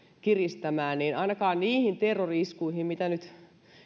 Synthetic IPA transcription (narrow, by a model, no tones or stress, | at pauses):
kirist̪æmæːnniːnɑinɑkɑːnniːhint̪erːoriiskuihimmit̪ænyt̪